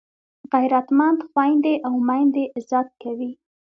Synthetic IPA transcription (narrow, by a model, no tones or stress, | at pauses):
ɣaɾat̪mɑnd̪xwɑjnd̪eʔawmajnd̪eʔzɑt̪̚kawi